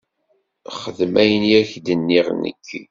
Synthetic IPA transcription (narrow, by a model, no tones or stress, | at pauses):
χəðmæjənjæçd̪ənːiʁnə̰kːi